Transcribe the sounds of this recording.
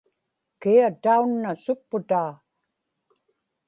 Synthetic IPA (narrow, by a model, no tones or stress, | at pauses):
kiat̪aunːasʊpːʊt̪aː